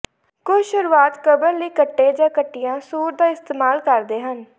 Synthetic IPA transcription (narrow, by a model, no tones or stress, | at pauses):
kʊt͡ʃʃʊɾuːaːt̪kəbəɾləiːkəʈːẽːd͡ʒãːkəʈːɪjãːsuːɾd̪aːɪst̪eːmaːlkəɾd̪eːɦən